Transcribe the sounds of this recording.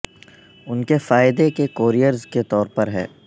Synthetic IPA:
ʊnkefaːɪd̪ekekoːɾijəɾzket̪ɔːɾpɐɾɦɛ̰ː

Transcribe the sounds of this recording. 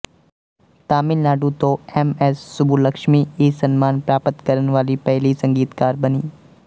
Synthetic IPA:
t̪aːmɪlnaːɖut̪oɛmɛːsːʊbuləkʃmiesɐnmaːnpɾaːpət̪kɐɾənʋaːlipɛɦlisɐ̃ŋɡiːt̪kaːɾbɐniː

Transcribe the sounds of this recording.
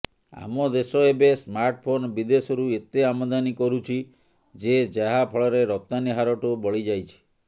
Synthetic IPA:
a̰mɔd̪esɔebesmaɾʈpʰonbid̪esɔɾuet̪eamɔd̪anikɔɾut͡ʃʰi | d͡ʒed͡ʒaɦapʰɔɭɔɾeɾɔp̚t̪aniɦaɾɔʈubɔɭid͡ʒajt͡ʃʰi̥

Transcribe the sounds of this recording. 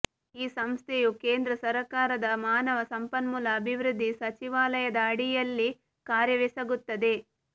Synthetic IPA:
iːsɐmst̪ʰejukeːnd̪ɾɐsɐɾɐkaːɾɐd̪ɐmaːnɐʋɐsɐmpɐnmulɐːbʱiʋɾud̪ʱːisɐt͡ʃiʋaːlɐjɐd̪ɐːɽijɐlːi | kaːɾjɐʋisɐɡut̪ːɐd̪e̞

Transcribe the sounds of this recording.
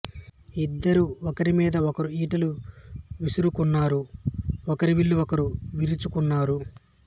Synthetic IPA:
id̪ːɐɾuɔkɐɾimiːd̪ɐɔkɐɾuiːʈɐluʋisuɾukunːaːɾuɔkɐɾiʋiɭːuɔkɐɾuʋiɾut͡ʃukunːaːɾu

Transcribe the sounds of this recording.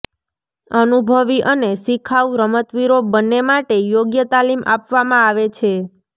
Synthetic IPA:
ənubʱəʋiʔənesikʰaʋuɾəmət̪ʋiɾobənːemaʈejoɡjət̪alimʔa̰pʋamãaʋet͡ʃʰe

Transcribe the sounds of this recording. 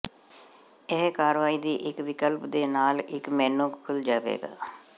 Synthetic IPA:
ɪɦkaːɾʋaːiːd̪iːʔɪkʋɪkəlpd̪eːnaːlɪkmɛ̃ːnõːkkʰʊld͡ʒaːʋḛːɡa̰ː

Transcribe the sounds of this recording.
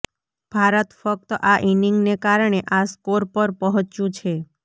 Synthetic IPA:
b̥ʱaɾət̪fək̚t̪əʔaʔiniŋɡnekaɾɳ̃eʔaskoɾpəɾpɔɦɔ̃t͡ʃũt͡ʃʰe

